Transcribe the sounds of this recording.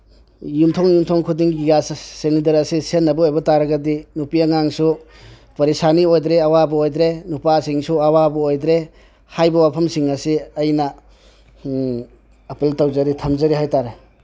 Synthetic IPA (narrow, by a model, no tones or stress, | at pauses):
jumtʰɔŋjumtʰɔŋkʰudiŋɡiɡassenidɐɾɐsisenːɐbɐojbɐtaɾɐɡɐdinupiaŋaŋsu | pɐɾisaniojd̪ɾeawabɐojd̪ɾenupasiŋsuawabɐojdɾe | hajbɐwapʰɐmsiŋɐsiɐjnɐ | peltowzɐɾitʰɐmzɐɾiɦajtaɾe